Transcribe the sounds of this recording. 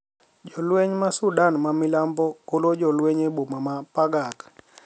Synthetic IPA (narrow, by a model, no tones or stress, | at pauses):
d͡ʒɔlwɛɲmasudanmamilambɔkolod͡ʒɔlwɛɲebomamapaɡak